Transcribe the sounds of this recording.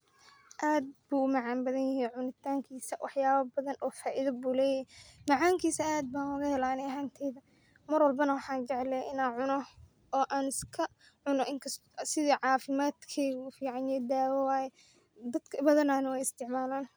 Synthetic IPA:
ʔaːd̪̚buːʊmɑʕɑːmbɐðɐnjɐɦijʕʊnɪt̪ʰaːŋkʰiːsɐwɑħjaːβɐbɐðɐnʔɔːfaːʔɪðɐbuːlɛːjɐɦimɐʕaːŋkʰiːsɐaːd̪̚baːnɐɣɐhɛlaːnɛɐɦaːnt̪ʰɛːðɐ | mɐrwɐlbɐnɐwɑħɑːnt͡ʃɛʕlɛʔɪnaːnʕʊnɔ | ʔɔːʔaːnɪskʰɐ | ʕʊnɔʔɪŋkʰɐst̪sɪðiʕɑːfɪmaːd̪kʰɛɣʊfiːʕɑnjɛd̪aːwɐwaːjɛ | d̪ɐd̪̥kʰɐbɐðɐnaːnɐwɛjɪst̪ʰɪʕmaːlaːn

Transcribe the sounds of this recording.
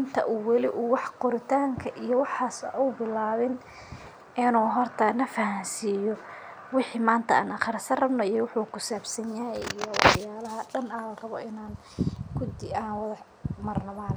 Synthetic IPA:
ɪnt̪ʰɐ̰ʔuwɛlɪʔuːwɑħqɔɾɪt̪ʰaːŋkʰɐʔijɔwɑħaːsɐʔuːbɪlaːβɪn | ɪnuːɦɔrt̪ʰɐnɐfɐhɐnsiːjɔ | wɪħiːmaːnt̪ʰɐa̰ːnɐχɐrsɐrɐbnɔijɔwɑħuːkʰʊsaːbsɐnjaːjɛijɔwɑ̰ħjaːlɐɦɐɖɐnalɐrɐβɔɪnaːn | kʰʊd̪ɪaːnwɐðɐ | mɐrnɔmaːn

